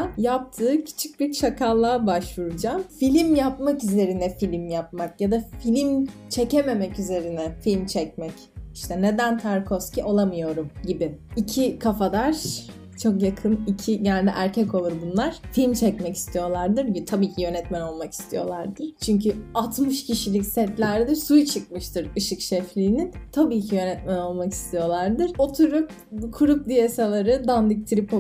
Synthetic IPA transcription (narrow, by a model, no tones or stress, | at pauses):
jap̚t̪ʰɯːcʰi̥t͡ʃʰi̥c̚biɾt͡ʃʰakʰalˠːaːbaʃvuɾud͡ʒamfilʲimjapmakyze̞ɾinɛfilʲimjap̚makjad̪afilʲimt͡ʃʰe̞ceme̞mɛcyze̞ɾinɛfilʲmt͡ʃʰɛc̚mɛc | iʃt̪ʰɛne̞d̪ænt̪ʰaɾkʰosciʔo̞lˠamɯjo̞ɾumɟibɪicʰikʰafad̪aɾ̥ | t͡ʃʰo̞kjakʰɯnicʰiɟɛnlʲd̪ɛ̰ʔæɾcʰɛco̞lˠuɾbunlˠaɾ̥filʲmt͡ʃʰɛcmɛci̥st̪ʰijo̞lˠaɾd̪ɯɾjt̪ʰabiːcʰijø̞nɛt̪mæno̞lˠmaki̥st̪ʰijo̞̰lˠaɾd̪ɯɾ̥t͡ʃʰyɲcyat̪mɯʃcʰiʃilʲicsɛt̪lʲæɾd̪iɾsujt͡ʃʰɯk̚mɯʃt̪ʰɯɾɯʃɯkʃɛflʲiːnint̪ʰabiːcʰijø̞nɛt̪mæno̞lˠmaki̥st̪ʰijo̞lˠaɾd̪ɯɾ̥o̞t̪ʰuɾup | kʰuɾup̚d̪ijesalˠaɾɯd̪and̪ic̚t̪ʰiɾip